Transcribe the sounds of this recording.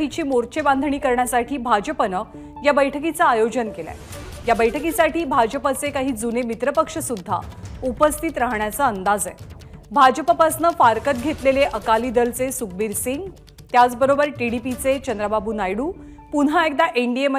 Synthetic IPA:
ɦit͡ɕiːmoɾt͡ɕeband̪ʱɳiːkəɾɳjasaʈʰiːbʱad͡ʑəpənə | jabəjʈʰəkit͡saːjod͡ʑənkela̰ | jabəjʈʰəkisaʈʰiːbʱad͡ʑəpət͡sekaɦiːd͡zunemit̪ɾəpəkʂəsud̪ʱːa̰upəst̪ʰit̪ɾəɦɳjat͡saənd̪ad͡zḛ | bʱad͡ʑəpəpəsnəfaɾkət̪̚ɡʱet̪leleʔəkaliːd̪əlt͡sesuk̚biɾsiŋɡ | t̪jat͡sbəɾobəɾʈiɽipit͡set͡ɕənd̪ɾababuːnajɽuː | punɦaek̚d̪aʔiɳɖiemə

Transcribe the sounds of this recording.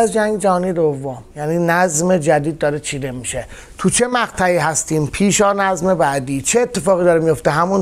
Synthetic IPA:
zd͡ʒæŋɡd͡ʒæɦɒːniːed̪ovːomjæniːnæzme̞d͡ʒæd̪iːd̪̚ːɒːɾet͡ʃʰiːd̪e̞miʃe | t̪ʰut͡ʃʰe̞mæɣt̪ʰæiːɦæst̪iːmpʰiːʃɒːnæzme̞bæːd̪iːt͡ʃʰeːt̪ʰːe̞fɒːɣiːd̪ɒːɾemijo̞ft̪eɦæmun

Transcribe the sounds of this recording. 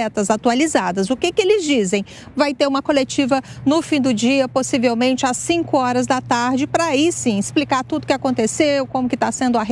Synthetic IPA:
ɛt̪ɐzat̪ualizad̪ɐzʊkɪkɪelɪzd͡ʒizẽj̃ | vajt̪eɾũmɐkolet͡ʃivɐnʊfĩd̪ʊd͡ʒiɐposivewmẽnt͡ʃɪasĩkʊɔɾɐzd̪ɐt̪aɾd͡ʒɪpɾaisĩɪsplikaɾt̪ud̪ʊkɪakõnt̪esewkõmʊkɪt̪asẽnd̪ʊɐɦe

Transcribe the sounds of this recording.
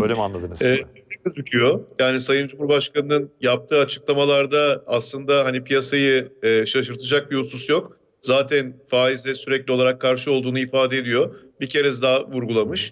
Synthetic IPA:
ølʲeɛmanlˠad̪ɯnɯzɛecʲøzycʰyjojaːnisajɯnd͡ʒumhuɾbaʃkanɯnɯnjap̚t̪ʰɯːat͡ʃʰɯ̥klˠamalˠaɾd̪aːslˠɯnd̪aɦanipʰijasajɯɛʃaʃɯɾt̪ʰɯd͡ʒak̚bihususjo̞k | zaːt̪ʰænfaːizɛsyɾɛclʲio̞lˠaɾakʰːaɾʃɯo̞lˠd̪uːnuifaːd̪ɛd̪ijo̞bicʰe̞ɾɛs̬d̪aːvuɾɡulˠamɯʃ

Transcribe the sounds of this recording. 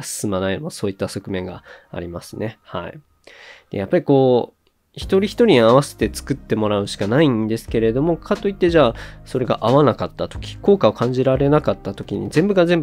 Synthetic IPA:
sɨ̥sɨmanainomosoːit̪ːaso̞kɯ̟mẽ̞ŋɡa̰a̰ɾʲimasɨne̞ha̰ḭ | d̪̥e̞̰japːaɾʲiko̞ː | çi̥t̪o̞ɾʲiçi̥t̪o̞ɾʲiɲaβase̞̥t̪e̞t͡sɨ̥kɯ̟t̪ːe̞mo̞ɾaɯ̟ɕi̥kanaĩnd̪e̞sɨ̥ke̞ɾe̞d̪o̞mo̞kʰat̪ːo̞it̪ːe̞ʑaːso̞ɾe̞ɡa̰ʔaβanakat̪ːat̪o̞̥kʲi̥ko̞ːkao̞kʰãɲ̟d͡ʑiɾaɾe̞nakat̪ːat̪o̞kʲiɲ̟ḭzẽ̞mbɯ̟ɡaze̞mb

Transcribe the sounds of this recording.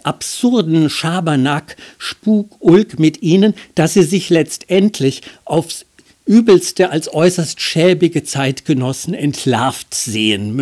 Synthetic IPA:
ʔapz̥ʊʁdn̩ʃaːbɐnakʃpuːkʔʊlkmɪtʔiːnənd̥asiːzɪçlɛt͡stʔɛntʰlɪçʔaʊfs | ʔyːbl̩stəʔalsʔɔʏsɐstʃɛːbɪɡət͡saɪtɡ̥ənɔsn̩ɛntʰlaɐftz̥eːənm

